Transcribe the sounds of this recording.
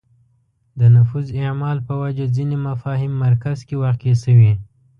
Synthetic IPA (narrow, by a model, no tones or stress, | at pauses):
d̪ənʊfuzɪʕmɑlpəwad͡ʒazinemafɑɦɪmːaɾkazkewaxkesəwi